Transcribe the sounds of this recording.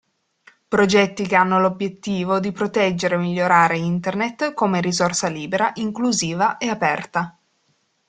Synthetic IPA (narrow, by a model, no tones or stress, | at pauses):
pɾod͡ʒɛt̪ːikeanːolobjet̪ːiːvod̪ipɾot̪ɛd͡ʒːeɾeːmːiʎːoɾaːɾeint̪ernet̪ːkomeɾizorsaliːbeɾaʔiŋkluziːvaʔeapɛrt̪a